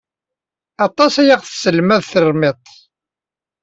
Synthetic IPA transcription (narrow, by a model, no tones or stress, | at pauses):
ɑt̪ˤɑsæjaʁθsəlmæðθərˤmɪt̪ˤ